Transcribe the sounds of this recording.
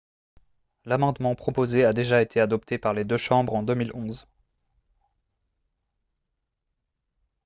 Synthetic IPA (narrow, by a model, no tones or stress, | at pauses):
lamɑ̃d̪mɑ̃pχɔpozead̪eʒaet̪ʰead̪ɔp̚t̪ʰepaʁled̪øʃɑ̃bʁɑ̃d̪ømilɔ̃z